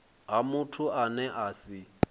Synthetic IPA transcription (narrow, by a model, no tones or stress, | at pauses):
ɦamʊtʰʊanɛʔaːsɪ